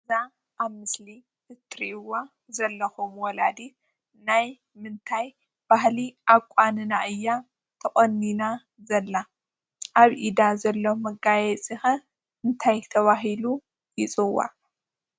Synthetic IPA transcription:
za | ʔaβmɨsli | ɨt̪ʰɾiʔwa | zɐlːɐxumwɔlad̪i | naj | mɨnt̪ʰaj | b̥aɦliʔaβkʼanɨnaʔɨjːa | t̪ʰɐχʼɐnːina | zɐlːa | ʔaβʔid̪azɐlːomɐɡajɛt͡sʼixɐ | ʔɨnt̪ʰajt̪ʰɐβaɦilu | jɪt͡sʼɨwa̰

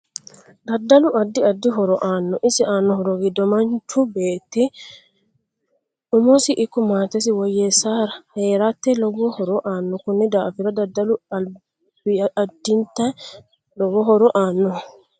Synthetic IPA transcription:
d̪ɐd̪ːɐlʊʔɐd̪ːɪɐd̪ːɪɦɔɾɔʔaːnːɔʔɪsɪaːnːɔhɔɾɔɡɪd̪ɔmɐnt͡ʃʊbeːt̪ːɪ | ʊmɔsɪʔɪkːɔmaːt̪ɛs̬ɪwɔjːɛsaːɾɐheːɾat̪ːɛlɔɡɔhɔɾɔʔaːnːɔkʊnːɪd̪aːfɪɾɐd̪ɐd̪ːɐlʊɐ | b̥ɪɐd̪ːɪnt̪ɐ | lɔɡɔɦɔɾɔʔaːnːɔ

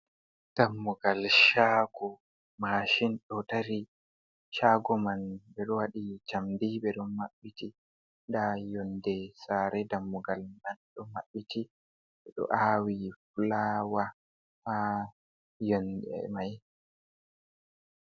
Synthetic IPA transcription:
d̥amːuɡalʃaːɡɔ | maʃinɗɔtaɾi | ʃaɡɔmanbɛɗɔwaɗit͡ʃamdiɓɛɗɔmaɓːiti | ɗajɔndɛsaːɾɛdamːuɡalmanɗɔmaɓːiti | ɓɛɗɔ̰ʔawifulawa | fa | jɔndɛ̰maj

